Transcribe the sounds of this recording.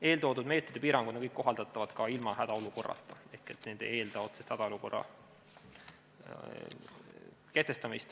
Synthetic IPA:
e̞ːlt̪o̞ːd̪ud̪me̞ːt̪ːˑɾid̪̥epiːɾɑŋɡud̪nɑkɤjkːo̞ɦɑld̪ɑt̪ːˑɑvɑd̪̥kɑilmɑhæd̪̥ɑo̞luko̞rːɑ̰t̪ːˑɑe̞hke̞t̪nend̪̥ḛje̞ːld̪ɑo̞t̪sest̪hæd̪̥ɑo̞luko̞̰rːɑ̰ | keht̪ːe̞st̪ɑmist̪

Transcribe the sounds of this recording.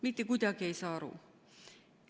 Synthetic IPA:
mit̪ːekut̪ʲɑkieisɑːrṵˑ

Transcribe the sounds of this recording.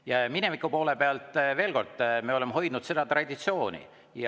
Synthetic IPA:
jɑminemikːˑupo̞ːlepe̞ɑlt̪ːˑve̞ːlko̞rd̪ˑme̞o̞le̞mːɦo̞jd̪̥nud̪se̞d̪̥ɑt̪rɑd̪ʲit̪sio̞ːnʲḭ | j

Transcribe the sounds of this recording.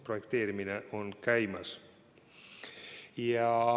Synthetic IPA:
projekt̪eːɾimineʔonkæjmɑs | jɑ

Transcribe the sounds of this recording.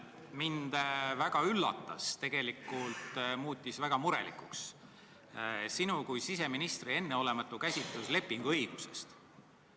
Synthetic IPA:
mind̪̥væɡ̥ɑylːɑ̰t̪ːɑ̰st̪e̞ɡ̥e̞likːˑult̪muːt̪ʲːisvæɡ̥ɑmuɾe̞̰lḭkuks | sinukujsis̬e̞minist̪rie̞nːeo̞le̞mɑt̪ːˑukæsʲit̪lusle̞pːˑiŋɡ̥uɤjɡ̥use̞̰st̪

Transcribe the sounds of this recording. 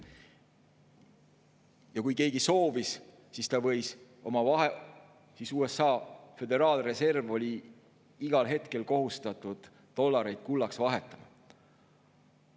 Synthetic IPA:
jɑkujke̞ːɡiso̞ːvis | sist̪ɑvɤ̞js | o̞mɑvɑɦe | sisuːe̞sɑːfe̞d̪e̞ɾɑːlre̞se̞rvo̞lʲi | iɡ̥ɑlɦe̞t̪ke̞lko̞ɦust̪ɑt̪ːˑud̪̥ːo̞lːɑɾe̞jd̪̥̚kulːɑksvɑɦe̞t̪ːˑɑmɑ

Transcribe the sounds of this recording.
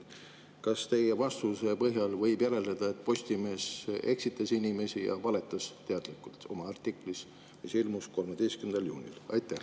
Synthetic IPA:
kɑst̪e̞je̞vɑst̪use̞pɤɦjɑlvɤ̞jbjæɾe̞led̪̥ɑe̞t̪ːˑpo̞sʲt̪ime̞ːse̞ksit̪ːˑɑsinʲime̞sijɑ̰vɑle̞t̪ːˑɑst̪e̞ɑd̪̥likːˑult̪o̞̰mɑɑrt̪ːˑikˑlis | isilmusko̞lmed̪ejst̪kymnd̪ɑljṵːnʲḭlɑ̰jt̪ːˑæh

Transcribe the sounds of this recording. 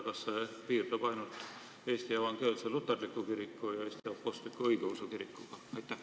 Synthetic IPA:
kɑsːe | piːrt̪ɑb̥ɑjnult̪ˑ | e̞ːst̪ievɑŋɡ̥eːlselut̪ːˑerlikːˑukiɾikːujɑeːst̪ijæppost̪likːˑuɤiɡ̥eusukiɾikːˑuɡ̥ɑɑjt̪ːˑæh

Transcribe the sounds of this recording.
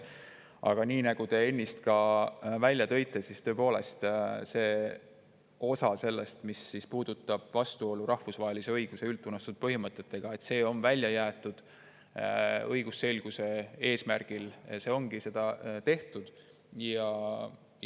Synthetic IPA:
ʔɑ̰ɡ̥ɑniːnɑɡ̥ut̪e̞e̞nʲːist̪kɑvælʲjɑt̪ɤ̞jt̪ːˑe̞sist̪ø̞epo̞ːle̞̰st̪se̞ː | o̞sɑse̞lːe̞st̪misːispuːd̪̥ut̪ːˑɑb̥vɑst̪uo̞luɾʔɑhfusvɑɦe̞lise̞ɤjɡ̥use̞ylt̪ːˑunːɑst̪ud̪̥̚pɤɦimɤt̪ːˑe̞t̪ːe̞ɡ̥ɑe̞t̪se̞ːo̞nvælʲːjɑjæːt̪ːˑud̪̥ | ɤjɡ̥use̞lɡ̥use̞e̞ːsmærɡ̥ilse̞ːo̞ŋɡ̥ise̞d̪̥ɑt̪e̞ht̪ud̪̥ | jɑ

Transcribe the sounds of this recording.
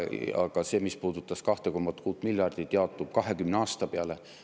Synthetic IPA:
ɑ̰ɡ̥ɑse̞ːmispuːd̪̥ut̪ːˑɑskɑht̪eko̞mːɑt̪kuːt̪ːˑmiljɑrd̪̥it̪jeɑot̪ːˑup̚kɑɦe̞kymneɑːst̪ɑpeɑle

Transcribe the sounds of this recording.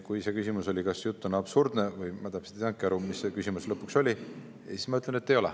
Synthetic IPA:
kujse̞kysimuso̞lʲikɑsjut̪ːunɑb̥surd̪̥ne̞vɯjmɑt̪æpse̥t̪ːt̪ɑŋkːˑiɑɾumisːekysʲimuslɤpːˑukso̞lʲi | si̥smɑyt̪lenet̪ːe̞jo̞lɛ̰

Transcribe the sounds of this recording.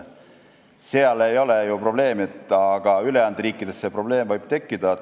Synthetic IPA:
seɑle̞jo̞lejupro̞ble̞ːmet̪ˑːɑɡ̥ɑyleɑnd̪ɾiːkːˑid̪̥e̞sːe̞pro̞b̥le̞ːmvɯjb̥̚t̪e̞kːid̪̥ɑ

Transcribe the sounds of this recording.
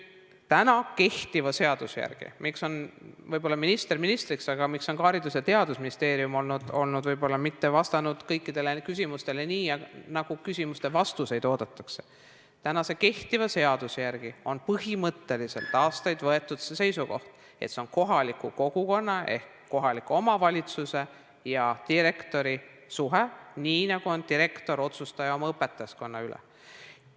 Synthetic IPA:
t̪ænɑke̞ht̪ivɑse̞ɑd̪̥usjæ̰rɡ̥ḭmikso̞nvɤjb̥o̞lːɑminist̪erminist̪riksɑɡ̥ɑmikso̞nkɑːɾid̪usjɑt̪e̞ɑd̪̥usminist̪e̞ːɾiumo̞lnud̪̥o̞lnud̪vɤjbo̞lːɑmit̪ːe̞vɑst̪ɑnud̪̥kɤjkːid̪̥e̞le̞kys̬ʲimust̪e̞le̞niːjɑnɑɡ̥ukysʲimust̪e̞vɑst̪use̞jd̪̥o̞ːd̪̥ɑt̪ːˑɑ̥kse̞̥ | t̪ænɑse̞ke̞ht̪ivɑse̞ɑd̪̥usjæɾɡ̥io̞npɤɦimɤt̪ːe̞lise̞̰lt̪ːˑɑːst̪ɑjd̪vɤe̞t̪ːˑud̪̥sese̞jsuko̞ht̪ | e̞t̪se̞onko̞ɦɑlikːˑuko̞ɡ̥uko̞nːɑe̞̰hkkːo̞ɦɑlikːˑuo̞mɑvɑlʲit̪suse̞ | jɑt̪iɾekt̪o̞ɾi | suɦeniːnɑɡ̥uo̞nd̪iɾe̞kt̪o̞ɾo̞t̪sust̪ɑjɑo̞mɑɤpːˑe̞t̪ːˑɑjɑsko̞nːɑylḛ

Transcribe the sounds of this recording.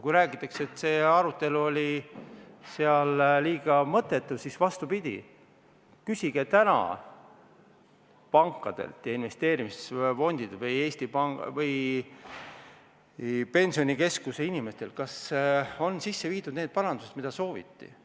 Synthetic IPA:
kujɾæːɡ̥it̪ːˑɑkset̪ːˑse̞ːɑɾut̪ːˑe̞luo̞lʲi | seɑlliːɡ̥ɑmɤ̞t̪ːˑe̞t̪ːˑuv̥sisvɑst̪upid̪̥ʲḭ | kysiɡ̥e̞t̪ænɑ̰ | pɑŋkːˑɑd̪̥ḛlt̪jɑinve̞st̪e̞ːɾimisfo̞nʲd̪̥id̪evɤje̞ːsʲt̪ipɑŋvɤj | pe̞nʲsionike̞skuseinime̞st̪e̞lkɑso̞nsisːe̞viːd̪ud̪̥ne̞ːd̪̥̚pɑɾɑnd̪uset̪mid̪ɑso̞ːvḭt̪ːḭ

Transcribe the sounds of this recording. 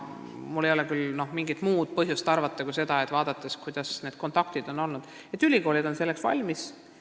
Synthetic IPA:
mulːejolekylno̞hmiŋɡit̪muːd̪̥̚pɤɦjust̪ɑrvɑt̪ːˑɑkuse̞d̪̥ɑet̪ːˑvɑːd̪̥ɑt̪ːˑeskujd̪̥ɑsne̞ːd̪̥̚ko̞nt̪ˑɑk̚t̪id̪̥o̞nːo̞lnud̪̥ | et̪ːˑylʲiko̞ːlid̪o̞nse̞lːe̞ksvɑ̰lʲmis

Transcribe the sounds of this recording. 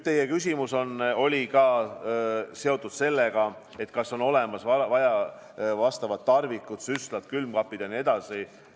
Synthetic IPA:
t̪e̞jekysʲimuso̞no̞lʲikɑː | se̞o̞t̪ːˑud̪̥se̞lːeɡ̥ɑ | e̞t̪kɑsːo̞no̞le̞mɑsvɑvɑjɑ | vɑst̪ɑvɑt̪ːɑrvikːˑut̪syslɑt̪kylmkɑpːˑid̪̥ɑnie̞d̪̥ɑsi

